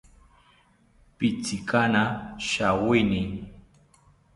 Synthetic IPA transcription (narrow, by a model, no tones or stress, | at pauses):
pɪt͡sɪkanaʃawɪnɪŋ